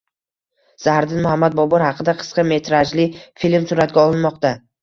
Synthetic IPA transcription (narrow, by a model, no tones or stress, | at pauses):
z̥ahɾd̪ɪnmʊhamːat̪̚bɒbɒɾhɑqʰɨd̪aqʰɨ̥sqɑme̞t̪ʰɾad͡ʒlɪfilmsʊɾat̪̚ɡʲaɒlˠɪnmɒqt̪a